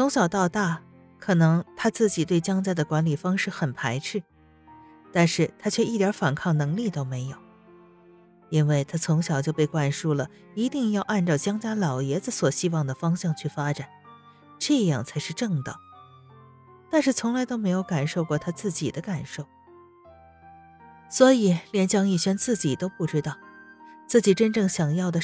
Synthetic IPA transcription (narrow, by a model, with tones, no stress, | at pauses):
t͡sʰʊ˧˥ŋɕjɑ˨˩ʊt̪ɑ˥˧ʊt̪a˥˩ | kʰɤ˨˩nɤ˧˥ŋt̪ʰa˥t͡sɹ̩˥˩t͡ɕi˨˩t̪we˥˩ɪt͡ɕjɑ˥ŋt͡ɕja˥d̪ə˨kwa˧˥nli˨˩fɑ˥ŋʂɻ̩˥˩xə˨˩npʰa˧˥ɪʈ͡ʂʰɻ̩˥˩ | t̪a˥˧nʂɻ̩˥˩t̪ʰa˥t͡ɕʰɥɛ˥˧ʔi˥˩t̪jɑ˧˥fa˨˩nkʰɑ˥˩ŋnɤ˧˥ŋli˥˩t̪o˥ʊme˧˥ɪjo˨˩˦ʊ | i˥nwe˥˩ɪt̪ʰa˥t͡sʰʊ˧˥ŋɕjɑ˨˩ʊt͡ɕjo˥˧ʊpe˥˧ɪkwa˥˩nʂu˥˩lə˩ | i˧˥t̪i˥˧ŋjɑ˥˧ʊʔa˥˧nʈ͡ʂɑ˥˩ʊt͡ɕjɑ˥ŋt͡ɕja˥lɑ˨˩ʊjɛ˧˥d͡z̩˥˧swɔ˨˩ɕi˥wɑ˥˩ŋd̪ə˩fɑ˥ŋɕjɑ˥˧ŋt͡ɕʰy˥˩fa˥ʈ͡ʂa˨˩˦n | ʈ͡ʂɤ˥˧jɑ̰˥˩ŋt͡sʰa˧˥ɪʂɻ̩˥˧ʈ͡ʂɤ˥˩ŋt̪ɑ̰˨˩ŋ | t̪a˥˧nʂɻ̩˥˩t͡sʰʊ˧˥ŋla˧˥ɪt̪o˥ʊme˧˥ɪjo˧˥ʊka˨˩nʂo˥˧ʊkwɔ˥˩t̪ʰa˥t͡sɹ̩˥˩t͡ɕi˨˩d̪ə˦ka˨˩nʂo˥˩ʊ | swɔ˧˥i˨˩˦ljɛ˧˥nt͡ɕjɑ˥ŋi˥˩ɕɛ˥nt͡sɹ̩˥˩t͡ɕi˨˩t̪o˥ʊpu˥˩ʈ͡ʂɻ̩˥t̪ɑ˥˩ʊt͡sɹ̩˥˩t͡ɕi˨˩ʈ͡ʂə˥nʈ͡ʂɤ˥˩ŋɕjɑ˨˩ŋjɑ˥˩ʊd̪ə˩